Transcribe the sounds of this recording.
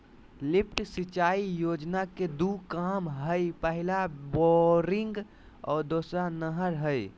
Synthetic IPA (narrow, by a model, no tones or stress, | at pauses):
lɪpʰʈsit͡ʃaːijoːd͡ʒnaked̪ukamɦəipəɦɪlabɔɾɪŋɡ | ɔ̰ːɾd̪oːsɾanəɦəɾɦəj